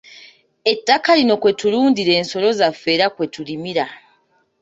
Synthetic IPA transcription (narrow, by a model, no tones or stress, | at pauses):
e̞tːakalino̞kwe̞tuluːndiɾe̞ːnso̞lo̞zafːe̞ːɾakwe̞tulimiɾa